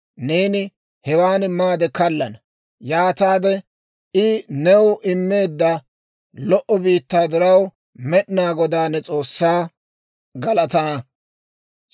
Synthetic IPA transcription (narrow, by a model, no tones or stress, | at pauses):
ne̞ːnɪ | hɛwaːnmaːd̪ɛkɐlːɐnɐ | jaːt̪aːd̪ɛ | ɪnɛwʊʔɪmːe̞ːd̪ːɐ | lɔʔɔbiːt̪ːaːd̪ɪɾɐw | mɛɗɪnaːɡɔd̪aːnːɛt͡sʼo̞ːsːaː | ɡɐlɐt̪ɐː